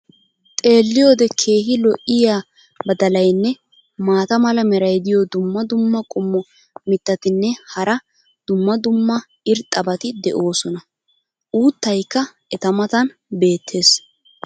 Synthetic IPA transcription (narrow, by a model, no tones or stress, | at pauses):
t̪ʼe̞ːlːɪjo̞ːd̪ɛkʰe̞ːɦɪlɔʔɪjaː | bɐd̪ɐlɐjnːɛ | maːt̪ɐmɐlɐmɛɾɐjd̪ɪjod̪ʊmːɐd̪ʊmːɐkʼʊmːɔ | mɪt̪ːɐt̪ɪnːɛhɐɾɐ | d̪̥ʊmːɐd̪ʊmːɐ | ɪɾt̪ʼːɐbɐt̪ɪd̪ɛʔo̞ːsɔnɐ | ʔuːt̪ːɐjkːɐ | ɛt̪ɐmɐt̪ɐnbe̞ːt̪ʰːe̞ːs